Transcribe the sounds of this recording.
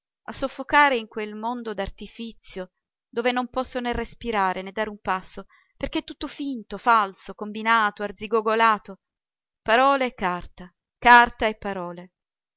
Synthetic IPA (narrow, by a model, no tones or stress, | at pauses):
a̰sːofːokaːɾeiŋkwelmond̪od̪art̪ifit̪sjo | d̪oːvenompɔsːonerːespiɾaːɾʔened̪ːaːɾeumpasːo | perk̟et̪ːut̪ːofint̪ofalsokombinaːt̪oard̪ziɡoɡolaːt̪o | paɾɔːlekart̪a | kart̪aepːaɾɔːle